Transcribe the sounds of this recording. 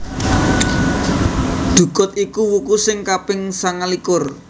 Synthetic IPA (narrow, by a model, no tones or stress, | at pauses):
ɖ̪̥ṳkʊt̪̚ikuwukusɪŋkapɪŋsaŋalikʊr